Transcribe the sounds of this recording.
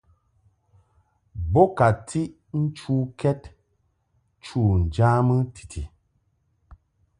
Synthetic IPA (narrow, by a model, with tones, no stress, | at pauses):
bɔ˦ka˨tʰi˦ʔ | n̩˦t͡ʃuː˦kɛ˦t | t͡ʃu˦˨n̩˨d͡ʒa˦mə˦tʰi̥˨tʰi˨